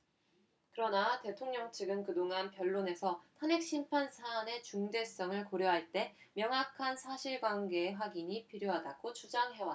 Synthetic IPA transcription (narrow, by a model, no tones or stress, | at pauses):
kɯɾʌnate̞tʰoŋɲʌŋt͡ɕʰɯɡɯnkɯdoŋɦanpjʌɭːone̞sʰʌtʰanek̚ɕ͈impʰansʰaːne̞t͡ɕuŋde̞s͈ʌŋɯɭkoɾjoɦaɭt͈e̞mjʌŋakʰansʰaɕʰiɭɡwanɡe̞ːɸwaɡiɲipʰiɾjoɦadaɡ̥ot͡ɕʰud͡ʑaŋɦe̞wa